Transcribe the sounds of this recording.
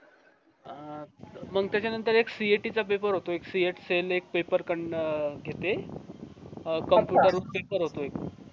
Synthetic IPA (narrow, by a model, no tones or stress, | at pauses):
məɡ̚t̪jat͡ɕjanənt̪əɾeksieʈit͡sap̬epəɾɦot̪oeksieʈselek̚pepəɾkəɳɡʱet̪e | kəmpjuuʈəɾut̪keʈ̚kəɾɦot̪oek